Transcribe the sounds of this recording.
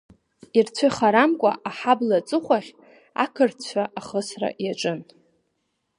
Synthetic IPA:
irt͡sʷʰɨχaɾamkʷʼa̰ʔaħablat͡sʼɨχʷaʁʲ | a̰kʰɨrt͡ɕʷʰaʔaχəsra̰jaʈ͡ʂʷʼɨn

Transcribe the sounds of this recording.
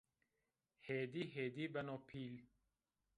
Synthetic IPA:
heːd̪iɦeːd̪ibɐnopʰiːl

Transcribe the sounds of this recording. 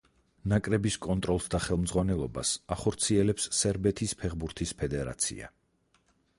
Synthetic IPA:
nakʼɾɛbiskʼɔnt̪ʼɾɔlˠsd̪aχɛlˠmd̪zʁwanɛlˠɔba̰saχɔɾt̪sʰiɛlɛpsːɛɾbɛt̪ʰispʰɛʁbuɾt̪ʰispʰɛd̪ɛɾa̰t̪sʰḭa̰

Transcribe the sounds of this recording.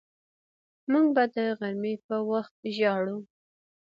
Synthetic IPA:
muŋɡ̚bad̪əɣaɾmepəwaxt̪̚ʒɑɽu

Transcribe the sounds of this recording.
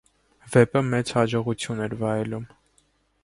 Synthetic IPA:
vɛpəmɛt͡shɑd͡ʒɔʁut͡sʰjunɛɾvɑɛlum

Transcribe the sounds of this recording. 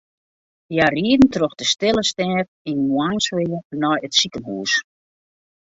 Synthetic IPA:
jariədn̩troxd̥əstɪləstɛːfinjwaːnswɪjənɔjətsikənɦuːs

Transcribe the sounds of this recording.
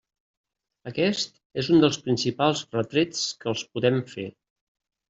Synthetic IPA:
əkɛst̪ | ezund̪əlˠspɾinsipalˠzrət̪ɾet͡skəlˠspuðɛmfe

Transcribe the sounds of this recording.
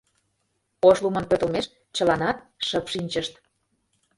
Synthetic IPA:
oʃlumənpøt̪ə̆lmeʃ | t͡ɕə̆lɑnɑt̪̚ʃəpʃinʲt͡ɕəʃt̪

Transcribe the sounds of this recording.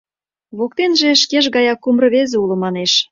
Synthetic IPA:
βokt̪enʒĕʃkeʒɣɑjɑkːumrɤ̆βezeulŏmɑneʃ

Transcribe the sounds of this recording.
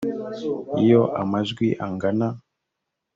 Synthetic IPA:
ijoʔa̰mazɡwiʔaŋɡana

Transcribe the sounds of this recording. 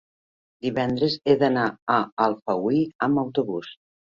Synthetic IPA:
d̪iβɛnd̪ɾəzeðənaəːlˠfəwiəməwt̪uβus

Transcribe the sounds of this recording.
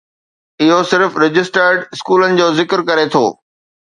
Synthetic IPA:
ɪɦosɪɾfɾɪd͡ʑɪsʈəɾɖɪskuːlənɪ̆d͡ʑoːzɪkəɾkɐɾet̪ʰo̰ː

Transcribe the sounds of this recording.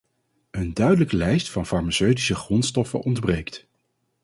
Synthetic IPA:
əndœɥdələkəlɛjstfɑnfɑɹmasøɥdisəχrɔnstɔfə̰nʔɔndbrejkt

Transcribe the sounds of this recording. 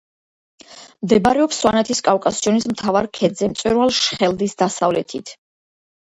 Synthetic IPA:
md̪ɛbaɾɛɔpswanɛt̪ʰiskʼafkʼasiɔnismt̪ʰavaɾkʰɛd̪zɛmt̪sʼwɛɾwalˠʃχɛld̪isd̪asavlɛt̪ʰit̪ʰ

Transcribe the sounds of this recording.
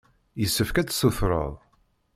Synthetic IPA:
jəsːəfkæt͡sːsufɾˤə̰ðˤ

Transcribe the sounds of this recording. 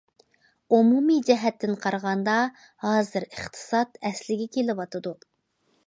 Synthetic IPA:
umumid͡ʒɛɦɛt̪ʰːɪnqʰɑɾʁɑnd̪ɑ | hɑːzɨɾəχt̪ʰɨ̥sɑt̪ɛslɪɡʲɛkʲʰelɪwɑt̪ʰɨd̪u

